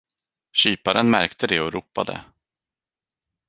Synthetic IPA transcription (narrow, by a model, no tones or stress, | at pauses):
ɕyːpaɾənmæɾkt̪əd̪ɛɔɾuːpːa̰d̪ə̰